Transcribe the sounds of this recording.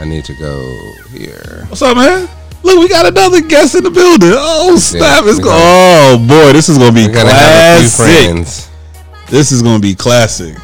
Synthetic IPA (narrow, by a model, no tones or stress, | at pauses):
aɪnḭd̚tʰɨɡo̰ʊ | hḭɹ | somɛn | lʊkwiɡɑɾɨnʌðə˞ɡɛsɨ̃nðəbɪlˠdɪ̃ŋoʊstæfɨtsobɔɪðɪsɨzɡʌnəbikʰlæsfɹɪknz̥ | ðɪsɨzɡʌnəbikʰl̥æsɪ̰k̚